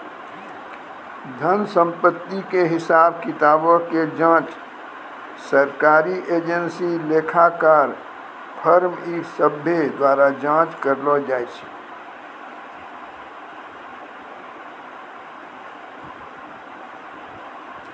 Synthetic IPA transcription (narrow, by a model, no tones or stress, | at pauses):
d̪ʱənsə̃mpət̪ːikeɦɪsaːb̚kɪt̪aːboked͡ʒãːt͡ʃ | səɾkaːɾiʔeːd͡ʒənsileːkʰakaɾ | pʰəɾmisəbʱed̪waːɾad͡ʒãːt͡ʃkəɾlɔd͡ʒaːet͡ʃʰɛ̥